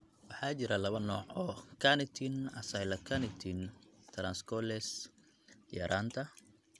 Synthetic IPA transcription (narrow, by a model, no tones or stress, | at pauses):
wɑħɑːt͡ʃɪɾɐlɐβɐnɔːʕɔːkʰanɪt̪ʰinɐsɐjlɐkʰɐnɪt̪ʰint̪ʰɾanskʰɔlɛs | jɐ̰ɾʔaːnt̪ʰɐ